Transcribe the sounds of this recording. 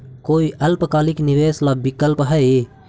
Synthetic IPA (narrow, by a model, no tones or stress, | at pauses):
koːiʔɐlpkaːlɪkniʋeːslabɪkəlpɦɛe